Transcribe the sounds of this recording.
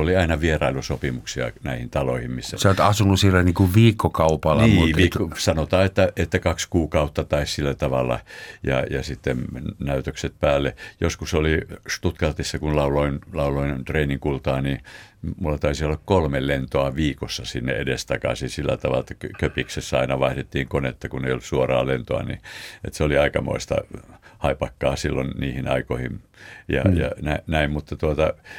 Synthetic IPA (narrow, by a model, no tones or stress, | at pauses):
oliɑinɑʋierɑilusopimuksiɑ̰næihint̪ɑlo̰ihimmisːæseot̪ɑsunusielːæniːkuʋʋiːkːokɑupɑlːɑnimːʋiːkosɑnot̪ɑːet̪ːæet̪ːækɑkskuːkɑut̪ːɑt̪ɑissilːæt̪ɑʋɑ̰lːˑɑ̰jɑ̰jɑ̰sit̪ːennæyt̪økset̪̚pæːlːejoskusolist̪ut̪kɑrt̪isːɑkunlɑuloinlɑuloinnt̪reiniŋkult̪ɑːnimulːɑt̪ɑisiolːɑkkolmellent̪oɑʋiːkosːɑsinːḛḛdest̪ɑkɑ̰sinsilːæ̰t̪ɑʋɑ̰let̪ːæ̥kkøpiksesːæɑinɑʋɑihdet̪ːiːŋkonet̪ːɑkuneijolussuorɑ̰ːlent̪oɑ̰nḭḛt̪seoliɑikɑmo̰ist̪ɑ̰hɑipɑkːɑːsilːonniːhinɑ̰ikoihimjɑ̰jɑ̰nænæimmut̪ːɑt̪uot̪ɑ